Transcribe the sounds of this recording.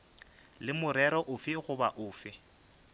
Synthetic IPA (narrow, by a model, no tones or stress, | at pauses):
lɪmʊɾɛɾɔʔʊfɪɣʊba̰ʔʊːfɪ